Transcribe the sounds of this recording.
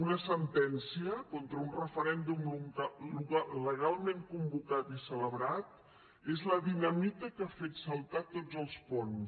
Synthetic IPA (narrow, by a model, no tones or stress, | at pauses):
unəsənt̪ɛnsiəkɔnt̪ɾəunrəfəɾɛnd̪umlumt̪aluɣaləɣ̞alˠmeŋkumbukat̪isələβɾat̪ | ezləðinəmik̪əkafet̪səlˠt̪at̪od͡zəlˠspɔn